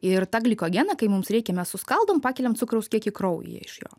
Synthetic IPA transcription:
ɪrt̪ɑːɡlʲikoɔːɡʲæːnɐkɐɪmʊmsɾʲɛɪkʲɛmʲɛssʊskɐlˠd̪oːmpɑːkʲɛlʲɛmt̪t͡s̪ʊkɾɐʊskʲiɛkɪkɾoʊj̰jɛ̰ɪʃjo̰ː

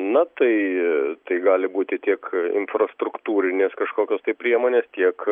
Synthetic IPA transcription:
nɐt̪ɐɪt̪ɐɪɡɑːlʲɪbuːt̪ʲɪt̪ʲiɛkɪ̰nfrɐst̪ɾʊkt̪uːɾʲɪnʲeːskɐʃkoːkʲoːst̪ɐɪpʲɾʲiɛmoːnʲeːst̪ʲiɛk

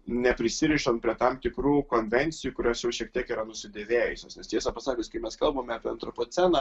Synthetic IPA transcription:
nʲɛpʲɾʲɪsʲɪɾʲiːʃɐnt̪pʲɾʲiɛt̪ɐmt̪ʲɪkɾuːkoːnʲʋʲɛnʲt̪sʲɪjuːkʊɾʲoːsjɛʊʃʲiɛk̚t̪ʲiɛkiːɾɐnʊsʲɪd̪ʲeːʋʲeːjʊsʲo̰ːsnʲɛst̪ʲiɛsɐpɐsɑːkʲɪskɐɪmʲɛskɐlˠbɐmʲɑːpʲiɛɐnt̪ɾɔpoːt̪sʲɛnɑ

